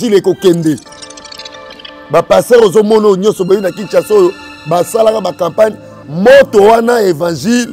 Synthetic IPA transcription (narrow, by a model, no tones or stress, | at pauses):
ilekokɛnde | bapastɛʁezomɔnojoɲɔ̃nsɔboinakit͡ʃasojo | basalakabakãmpani | motowanaevãʒil